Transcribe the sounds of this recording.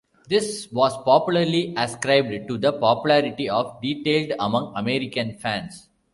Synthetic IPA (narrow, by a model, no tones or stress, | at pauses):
d̪ɪsʋɔːspɔpjʊləɾliʔɐskɾaɪb̚ɖʈud̪əpɔːpjʊlæɾɪʈiɔːfɖiːʈeːlɖɐmʌ̃ŋɐmeɾɪkə̃nfæ̃ns